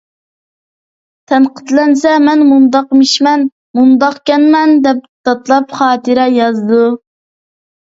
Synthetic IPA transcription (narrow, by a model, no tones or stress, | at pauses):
t̪ʰɛnqʰə̥t̪lɛnsɛmɛnmund̪ɑqmiʃmɛn | mund̪ɑqkʲɛnmɛnd̪ɛp̚t̪ɑt̪lˠɑpχɑːt̪ʰɨɾɛjɑzd̪u